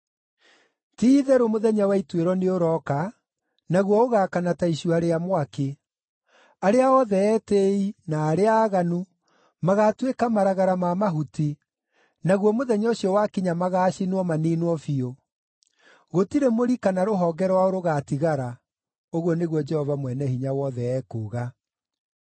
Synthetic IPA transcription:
tiːðɛɾomoðɛɲawaitweɾɔneoɾɔka | naɣwɔoɣakanataiʃuaɾeamwake | aɾeaɔðɛɛteinaːɾeaːɣanu | maɣatwekamaɾaɣaɾamamaɦuti | naɣwɔmoðɛɲɔɕiɔwakiɲamaɣaːɕinwɔmaninwɔfio | ɣotiɾemoɾikanaɾoɦɔːɡɛɾwaoɾoɣatiɣaɾa | oɣwɔneɣwɔd͡ʒɛhɔvamwɛnɛhiɲawɔðɛɛkoːɣa

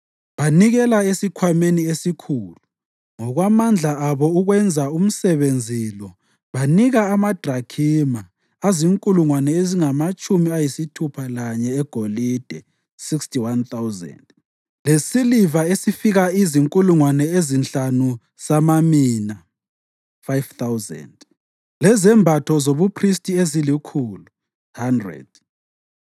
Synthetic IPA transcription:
βaniɣɛlaesikʰwameniesikʰuːlu | ŋɔɣwamand͡ɮʱaaβɔuɣwɛnd͡zʱaum̩sɛβend͡zʱilɔ | βaniɣaːmad̥ʱrakʰima | aziŋkʼuluŋwanɛeziŋamat͡ʃʼumiajisitʰupʰalaɲɛːɡ̥ʱolid̥ʱɛ | sikstʰʼiwant̪awzɛ̰nd | lesilivaesifiɣaiziŋkʼuluŋwanɛezinɬanu | samamiːna | fajvt̪awzɛ̰nd | lɛzɛmbʱatʰɔzoβupʰristʼiezilikʰuːlu | handrɛ̰d̥

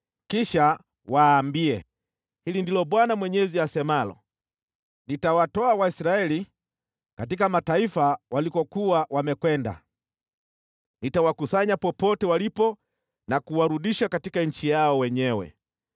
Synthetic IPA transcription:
kiʃa | waːmbiɛ | hilindilɔɓwanamwɛɲɛziasɛmalɔ̰ | nitawatɔawaisɾaɛli | kat̬ikamataifawalikɔkuwawamɛkwɛnda̰ | nitawakusaɲapɔpɔtɛwalipɔ | nakuwaɾuɗiʃakatikaɲ̩t͡ʃijaɔwɛɲɛwɛ̰

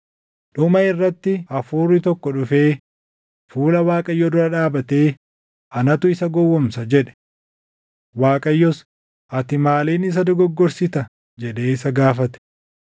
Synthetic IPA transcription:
ᶑʊmɐɪrːɐt̪ːɪɐfuːrːɪt̪ɔkːɔᶑʊfe̞ː | fuːlɐwaːkʼɐjːɔd̪ʊɾɐᶑaːbɐt̪e̞ː | ʔɐnɐt̪ʊɪsɐɡɔwːɔmsɐd͡ʒɛᶑɛ̥ | waːkʼɐjːɔs | ʔɐt̪ɪmaːliːnɪs̬ɐd̪ɔɡɔɡːɔɾsɪt̪ɐ | d͡ʒɛɗe̞ːɪsɐɡaːfɐt̪ɛ̥

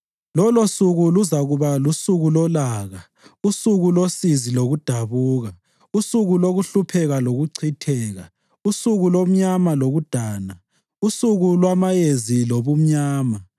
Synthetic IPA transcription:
lɔlosuɣuluzaɣuβalusuɣulɔlaɣa | usuɣulosiziloɣud̥ʱaβuːɣa | usuɣuloɣuɬupʰɛɣaloɣuǀʰitʰɛːɣa̰ | usuɣulom̩ɲamaloɣud̥ʱaːna | usuɣulwamajeziloβum̩ɲaːma

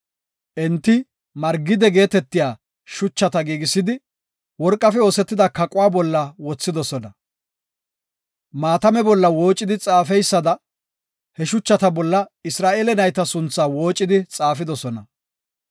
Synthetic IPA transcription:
ʔɛnt̪ːɪ | mɐɾɡɪd̪ɛɡe̞ːt̪ɛt̪ːɪjaː | ʃʊt͡ʃːɐt̪ɐɡiːɡɪsːɪd̪ɪ | wɔɾkʼːɐfɛo̞ːsɛt̪ːɪd̪ɐkɐkʼʊwaːbɔlːɐwɔt͡sːɪd̪ɔsɔnɐ | maːt̪ɐmɛbɔlːɐwo̞ːt͡ʃʼːɪd̪ɪt͡sʼaːfɛjsːɐd̪ɐ | hɛʃʊt͡ʃːɐt̪ɐbɔlːɐɪsɾaːʔeːlɛnɐjt̪ɐsʊnt͡sːaːwo̞ːt͡ʃʼːɪd̪ɪt͡sʼaːfɪd̪ɔsɔnɐ

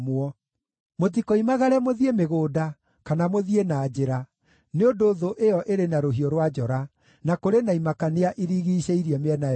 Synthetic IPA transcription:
mwɔ | mot̬ikoimaɣaɾɛmoðiemeɣoːda | kanamoðienaːd͡ʑeɾa | neondoːðoʔeɔʔeɾenaɾoɦiɔɾwad͡ʒɔɾa | nakoɾenaimakaneaʔiɾiɣiɕɛiɾiɛmeɛna

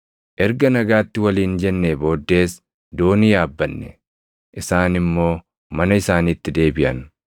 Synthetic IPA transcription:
ʔɛɾɡɐnɐɡaːt̪ːɪwɐliːnd͡ʒɛnːeːbo̞ːd̪ːe̞ːs | d̪o̞ːnɪjaːbːɐnːɛ | ʔɪsaːnɪmːo̞ː | mɐnɐɪsaːniːt̪ːɪd̪e̞ːbɪʔɐ̰n

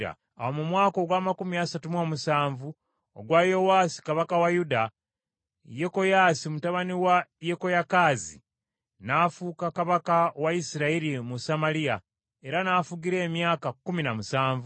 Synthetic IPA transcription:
a̰ | a̰womumwaːko̞ɡwaːmakumiasatumomusaːɱvu | oɡwajo̞wasi̥kaβakawajuda | jeko̞jaːsimutaβaniwajeko̞jakaːzḭ | nafuːkakaβakawaisiɾaiɾimusamalija | e̞ɾanaːfuɡiɾe̞ːmjaːkakːuminamusaːɱvu

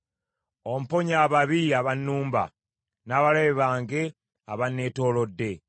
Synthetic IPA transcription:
om̩po̞ɲaːβaβiaβanːuːmba̰ | naːβaleeβaːŋɡe̞ | a̰βanːeːto̞lo̞dːe̞

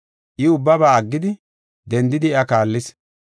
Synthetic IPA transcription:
ʔɪʊbːɐbaːɐɡːɪd̪ɪ | d̪ɛnd̪ɪd̪ɪɛɐkaːlːɪs

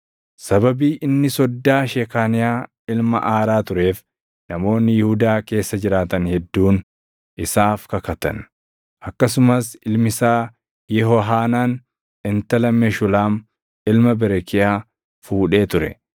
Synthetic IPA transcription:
sɐbɐbiːʔɪnːɪsɔd̪ːaːʃɛkaːnɪjaː | ɪlmɐ̰ʔaːɾaːt̪ʊɾe̞ːf | nɐmo̞ːnːɪjɪhʊd̪aːke̞ːsːɐd͡ʒɪɾaːt̪ɐnhɛd̪ːuːn | ʔɪsaːfkɐkɐt̪ɐ̰n | ʔɐkːɐsʊmɐsɪlmɪsaː | jɛɦɔɦaːnaːn | ɪnt̪ɐlɐmɛʃʊlaːm | ɪlmɐbɛɾɛkɪjaː | fuːᶑe̞ːt̪ʊɾɛ̰

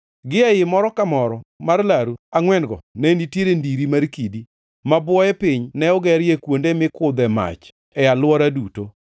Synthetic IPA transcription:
ɡɪajɪmɔɾɔkamɔɾɔmarlaɾuaŋwɛnɡɔ̰nɛnitjeɾendiɾimaɾkidi | mabwɔjɛpɪɲnɛɔɡɛɾjekwondemɪkʊd̪ɛma̰t͡ʃ | ɛalwɔɾaduto

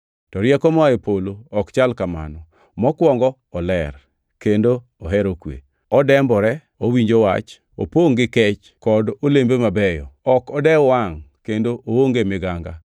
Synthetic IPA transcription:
tɔɾjɛkɔmaepoloɔkt͡ʃalkama̰nɔ | mɔkwɔŋɡɔ | ɔlɛr | kendo | ɔɦɛɾokwḛ | ɔdɛmbɔɾɛ | owiɲd͡ʒowa̰t͡ʃ | o̰poŋɡɪkɛt͡ʃ | kɔdolembemabɛjɔ̰ɔkɔdɛwaŋkendoʔooŋɡemɪɡaŋɡa

